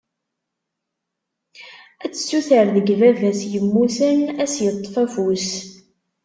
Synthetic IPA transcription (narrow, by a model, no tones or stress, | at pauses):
æt͡sːə̥sːuθəɾðəɡvævæsjəmːusənæsjət̪ˤːfæfus